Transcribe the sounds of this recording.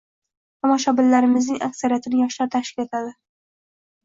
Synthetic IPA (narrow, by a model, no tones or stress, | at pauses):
t̪ʰɒmɒʃɒbɪlːaɾɪmɪznɪŋʔaksaɾijat̪ʰɪnɪjɒʃlaɾt̪ʰaʃkʲɪle̞t̪ʰad̪ɪ